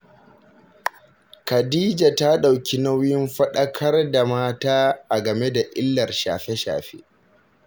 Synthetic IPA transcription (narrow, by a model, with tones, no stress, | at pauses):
kɐ˨diː˦d͡ʒa˨ta˦ɗa˨wkʲi˦na˦wjɪ˦mɸɐ˦ɗɐ˦kʰɐ˦rda˨maː˦taː˦ʔa˨ɡɐ˨me˦da˨ʔɪ˦lːɐ˨rʃa̰ː˨ɸe˦ʃa̰ː˨ɸḛː˦